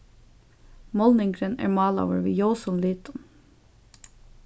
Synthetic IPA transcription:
mɔlnɪŋɡɾənæ̰ːɹmɑːlɑ̰ʊəɹʋḭːjoʊsɔnliːt̪ɔn

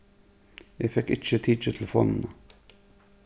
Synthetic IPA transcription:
jæɪfɛkɪt͡ʃət̪ʰiːt͡ʃət̪ʰl̩fɔ̰nnə

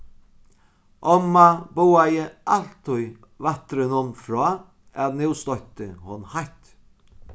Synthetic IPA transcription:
ʔɔmːabʊwajəalt̪ʰʊj | vat̪ɾɪnʊnfɾɔː | ɛðnɪwst̪ɔjht̪ə̰hʊnhaht̪

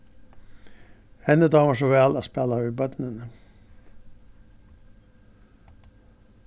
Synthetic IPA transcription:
hɛnəd̪ɑːməʂ̬oʋɛːlaspɛlayːbœt̪nən

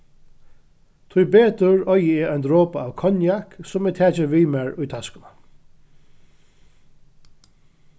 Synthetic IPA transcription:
t̪ʰʊjbeːt̪ʊɹɔjəɛɔjnd̪ɾoːpaaːʋkʰɔnjaksʊmɛt̪ʰæːt͡ʃɪʋiːmæɹʊjt̪ʰaskʊna

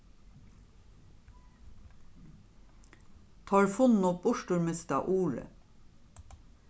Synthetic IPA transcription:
t̪ʰɑːɹfʊnn̩ɔp̚bʊʃʈʊɹmɛst̪ɑ̰ʔuːɹə̰

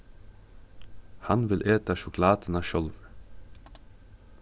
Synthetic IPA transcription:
hɑnʋɪlʔeːt̪əɑʃʊkʰlɑːt̪ənɑʃœlʋ

